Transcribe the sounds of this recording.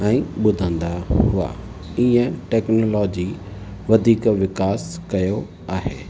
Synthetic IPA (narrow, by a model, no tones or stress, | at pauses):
ɛ̃ːɓʊd̪ʱə̃nd̪aɦʊa̰ | iːə̃ʈɛːknoːlɔːd͡ʑi | ʋɐd̪ʱiːkʋɪkaːskɐjo | aːɦeː